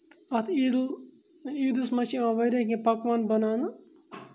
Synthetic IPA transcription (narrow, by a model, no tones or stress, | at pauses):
ɐt̪ʰi | iːd̪usmɐt͡ʃiãʋɐjɾekẽpɐkʋaːnbɐnaːna